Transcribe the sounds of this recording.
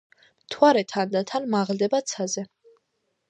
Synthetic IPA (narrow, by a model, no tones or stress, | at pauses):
mt̪ʰwaɾɛt̪ʰand̪at̪ʰanmaʁld̪ɛbat̪sʰazɛ